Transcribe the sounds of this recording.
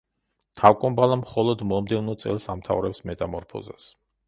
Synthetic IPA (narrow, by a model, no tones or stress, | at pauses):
t̪ʰawkʼɔmbalˠamχɔlˠɔd̪mɔmd̪ɛvnɔt̪sʼɛ̰lˠsamt̪ʰa̰vɾɛpsmɛt̪ʼamɔɾpʰɔ̰za̰s